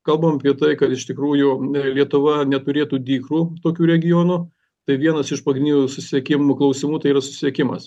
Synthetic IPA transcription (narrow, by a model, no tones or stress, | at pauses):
kɐlˠbɐmɐpʲiɛt̪ɐɪkɐt̪ɪʃt̪ʲɪkɾuːjʊlʲiɛt̪ʊʋɐnʲɛt̪ʊɾʲeːt̪uːd̪ʲiːkruːt̪oːkʲuːɾʲɛɡʲɪjoːnu | t̪ɐɪʋʲiɛnɐsɪʃpɐɡɾʲɪnʲːjusʊsʲɪɛkʲɪmʊklˠɐʊsʲɪmuːt̪ɐɪiːrɐsʊ̥sʲɪ̥sʲɛkʲɪmɐ̰s